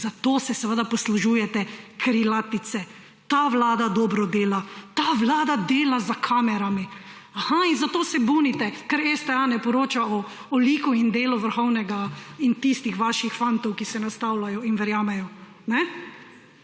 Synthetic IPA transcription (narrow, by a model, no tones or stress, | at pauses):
zat̪oːsɛsɛʋəd̪apɔsluʒuːjɛt̪ɛkɾilat̪it̪sɛ | t̪aʋlaːd̪ad̪ɔːbɾɔd̪eːlat̪aːʋlaːd̪ad̪eːlazakʰaːmɛɾami | ahainzat̪oːsɛbunit̪ɛkɛɾɛst̪ɛanɛpɔɾoːt͡ʃaɔ | ɔliːkuind̪eːluʋəɾxɔwnɛɡaint̪ist̪ixʋaːʃixfant̪ɔwkisɛnast̪awlajɔinʋɛɾjaːmɛjɔ | nɛ